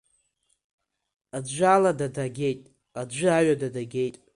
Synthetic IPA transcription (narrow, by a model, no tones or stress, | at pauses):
ad͡ʒʷaladadaɡʲe̞jtʼ | ad͡ʒʷʊaɥadadaɡʲe̞jtʼ